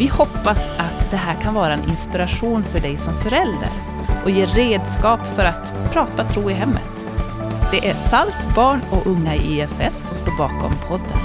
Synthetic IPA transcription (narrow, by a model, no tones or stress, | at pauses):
vɪhɔpːasat̪d̪ɛɦæːɾkʰanvɑːɾaɛnʔɪ̰nspɪɾaɧuːnfœɖɛjsɔmfœɾɛld̪ə̰ɾ | ʔɔjeːreːd̪skɑːpfœɾat̪ | pʰɾɑːt̪at̪ʰɾuːɪɦɛmːə̰t̪ | d̪̥ɛʔæsalt̪bɑːɳɔʔɵŋːaɪɛfɛsːɔmst̪oːɾbɑːkɔ̰mpʰɔd̪ːə̰n